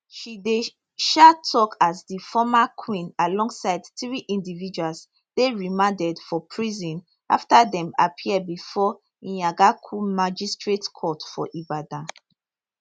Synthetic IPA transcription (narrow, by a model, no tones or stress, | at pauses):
ʃide | ʃatʰɔkazdifɔmakʰwĩnalɔ̃ŋɡsaɪdθɹiʔĩndivid͡ʒuals | d̥eɹimãndɛdfɔpʰɹizɔ̃n | a̰ftaðɛ̃mapʰiɛbifɔ | ĩjaɡakʰumad͡ʒistɹetkʰɔtfɔʔibadã